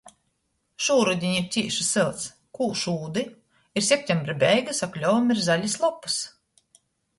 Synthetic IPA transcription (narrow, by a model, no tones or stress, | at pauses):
ʃuːɾud̪ʲiɲiɾt̪ʲiɛʃi̥sɨlˠt̪s | kuːʃuːd̪i | iɾsʲep̚ʲt̪ʲɛmbɾɨbʲɛjɡasaklʲɔːamiɾzalʲislˠɔpːu̥s